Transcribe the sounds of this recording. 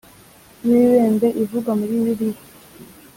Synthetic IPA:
jiiweːnbeʔivuɡamuɾiβiɾi

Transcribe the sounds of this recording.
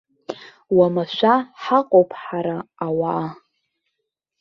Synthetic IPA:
wamaʃʷaħaqʼowpʰħaɾaːwaː

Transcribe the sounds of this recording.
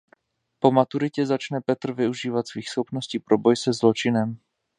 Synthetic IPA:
po̞mat̪uɾɪcɛzat͡ʃnɛpɛt̪r̩vɪuʒiːvat̪sviːxsxopnosciːpɾo̞bo̞jsɛzlo̞t͡ʃɪnɛm

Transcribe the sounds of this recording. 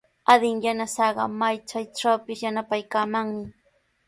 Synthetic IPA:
ad̪ɪŋjanasɑɢɑmajt͡ʃajʈ͡ʂawpɪsjanapajkaːmaŋmɪ

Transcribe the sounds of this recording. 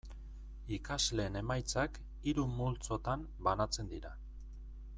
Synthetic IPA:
ikazle̞ːne̞majt͡sak | iɾumult͡so̞t̪am | banat͡se̞nd̪iɾa

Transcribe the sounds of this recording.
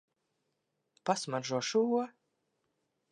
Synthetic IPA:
pasmaʒuɔʃuɔ

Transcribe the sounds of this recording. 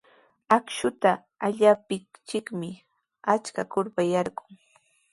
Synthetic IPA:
akʃʊt̪aː | ʎaːpɪt͡ʃɪkmɪ | at͡ʃkakʊɾpajaɾɢʊŋ

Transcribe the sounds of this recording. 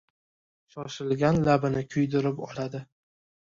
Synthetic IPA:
ʃɒʃɪlɡʲanlabɪnɪkʲʰʊjd̪ɪɾɪpɒ̰lad̪ɪ

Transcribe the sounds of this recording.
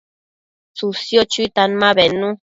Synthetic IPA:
susjot͡ʃuit̪anmãβenũ

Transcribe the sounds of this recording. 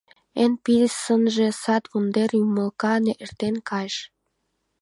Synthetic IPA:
enpiɾsənʒĕsɑt̪βund̪erjuməlkɑneʔert̪enkʰɑjʃ

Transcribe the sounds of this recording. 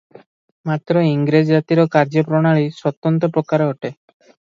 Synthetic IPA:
mat̪ːɾoiŋɡɾed͡ʑd͡ʑat̪iɾokaɾd͡ʒopɾoɽ̃aɭiʃɔt̪ːɔnt̪opɾokaɾɦoʈe

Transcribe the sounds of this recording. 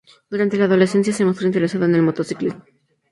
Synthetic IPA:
d̪̥uɾant̪e̞laːðo̞le̞se̞ns̬jasemo̞st̪ɾoint̪e̞ɾesaðoene̞lmo̞t̪o̞siklizmo

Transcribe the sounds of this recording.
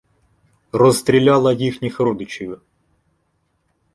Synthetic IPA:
rɔst̪ɾʲilʲɑlˠɐjixnʲixɾɔd̪ɪt͡ʃiʋʲʊ

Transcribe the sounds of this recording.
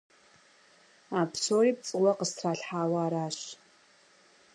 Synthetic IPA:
aːpsoːriːp̚t͡sʼɨwɐqəstʰraːɬħaːwɐaːɾaːɕ

